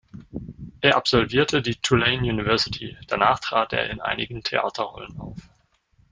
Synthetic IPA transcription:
ʔeːɐʔapz̥ɔlviːɐtʰədiːtʰulɛɪnjuːnivɛɐsɪtʰid̥anaːχtʁ̥aːtʔḛːɐɪnʔa̰ɪnɪɡn̩tʰeʔa̰ːtʰɐʁɔ̰ləna̰ʊf

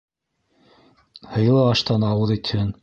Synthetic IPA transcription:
hɤ̆j̆lˠɤɑʃt̪ɑnɑwɤðɵ̆t̪ʰɘn

